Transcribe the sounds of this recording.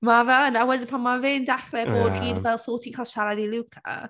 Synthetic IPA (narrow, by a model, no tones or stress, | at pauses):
mavənawɛdɪnpʰanmavɪndaχlɛboːdhiːdvɛlˠsoːtʰikʰalˠʃaɾadilˠuwkʰa̰